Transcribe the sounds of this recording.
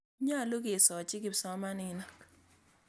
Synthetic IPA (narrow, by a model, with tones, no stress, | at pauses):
ɲa˦a˨lo˦ɡi˨sɔ˨t͡ʃɪ˦ɡɪ˨sɔ˦ma˦nɪ˨na˨k